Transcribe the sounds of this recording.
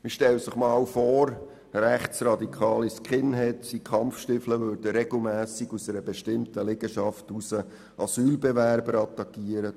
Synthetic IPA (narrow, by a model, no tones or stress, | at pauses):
mɪʃtɛləsɪχmɑːwfɔːɾ | ɾæχtsɾɑd̪ikʰɑːliskχɪnɦɛtdikʰχɑmfʃtɪfləʋøːɾd̥əɾɛɡ̥l̩ˠmæːsiɡ̥usəɾəbɛʃtɪmtəlɛɡ̥əʃɑftusə | ʔɑsyːlbɛʋæɾbəɾɑt̪ːɑkːiːəɾə